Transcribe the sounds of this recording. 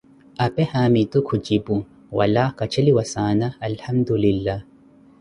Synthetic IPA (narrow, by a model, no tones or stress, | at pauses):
ʔɐpehaːmit̪ukʰud͡ʒibu | wɐ̰laːkɐt͡ʃʰɐliwɐsaːnaːlhɐmd̪ulilːa